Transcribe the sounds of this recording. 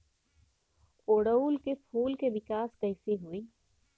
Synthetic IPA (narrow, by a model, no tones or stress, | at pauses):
oːɽəuːlkepʰuːlkeʋɪkaːskɐɪseɦuiː